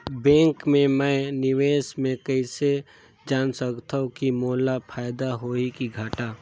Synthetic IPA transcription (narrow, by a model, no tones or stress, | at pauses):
bɛ̃ːŋkmẽmɛ̃nɪʋeːsmẽkəɪse | d͡ʒaːnsəkt̪ʰaũkimoːlapʰaːjd̪aɦoːikiɡʱaːʈaː